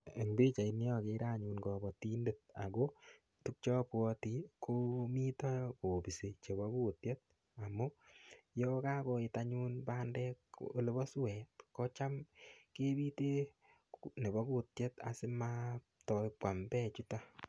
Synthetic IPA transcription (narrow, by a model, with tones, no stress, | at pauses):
e˨ŋbi˦t͡ʃa˨i˨nɪ˦ɔ˦˨ke˧˦ɾa˦ɲu˧nkɔ˨bɔ˨ti˦nde˨t̚a̰˨ɡo˦ | tu˦k̚t͡ʃɔ˦pwɔ˧ti˨ko˦mi˦tɔ˦ko˨bi˨se˨t͡ʃe˨bɔ˦ku˦˨tje˦t̚ | a˨mu˦jɔ˦ka˦ko˧i˨ta˦ɲu˦nba˦ndɛ˦ko̰˦le˦bɔ˦swɛ˨tkɔ˦t͡ʃa˦mke˦bi˦te˦ | ne˨bɔ˦ku˦tje˦ta̰˨sɪ˦ma˦ | tɔ˧pwa˨mbɛ˦˨t͡ʃu˦ta˦